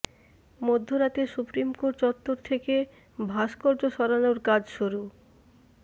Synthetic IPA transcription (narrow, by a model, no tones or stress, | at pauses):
mod̪ʱːoɾat̪esupɾimkoʈt͡ɕɔt̪ːoɾt̪ʰeke | bʱaʃkɔɾd͡ʑoʃɔɾanoɾkad͡ʑʃuɾu